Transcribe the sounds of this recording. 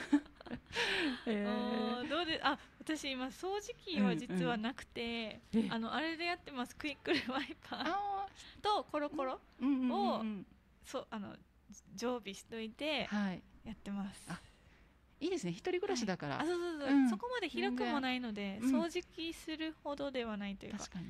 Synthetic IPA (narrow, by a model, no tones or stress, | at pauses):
eod̪o̞ːd̪e̞sɨʔaβat̪aɕiːmaso̞ːʑikʲiβad͡ʑit͡sɨβanakɯ̟̥t̪e̞ano̞ʔaɾe̞d̪e̞jat̪ːe̞masɨ̥kɯ̟ikːɯ̟ɾɯ̟βaipʰḁ̃ | t̪o̞ko̞ɾo̞ko̞ɾo̞ | ɯ̃o | soːʔano̞̰ | d͡ʑo̞ːbʲiɕi̥t̪oit̪e̞haijat̪ːe̞masɨ̥a | iːd̪e̞sɨne̞çi̥t̪o̞ɾʲiɡɯ̟ɾaɕid̪akaɾa̰asoːso̞ːsoso̞ko̞mad̪e̞çiɾokɯ̟mmo̞naino̞d̪e̞so̞ːʑikʲisɨɾɯ̟ho̞d̪o̞d̪e̞β̞anait̪o̞jɯ̟akkaɲi